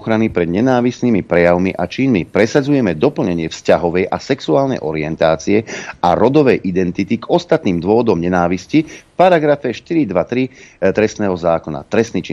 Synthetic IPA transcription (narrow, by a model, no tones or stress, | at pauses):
xɾanipɾɛd̪ɲɛnaːʋisnimipɾɛjaʊmiʔat͡ʃinmipɾɛsad͡zujɛmɛd̪ɔpl̩ɲɛɲɪɛfscaɦɔʋɛjʔasɛksuaːlnɛ̰jʔɔ̰ɾiɛnt̪aːt͡siɛaɾɔd̪ɔʋɛjʔid̪ɛnt̪it̪iɡɔst̪at̪niːmd̪ʊɔʋɔd̪ɔmɲɛnaːʋiscifpaɾaɡɾafɛʃt̪iɾid̪ʋat̪ɾit̪ɾɛstnɛːɦɔzaːkɔna̰t̪ɾɛsnit͡ʃi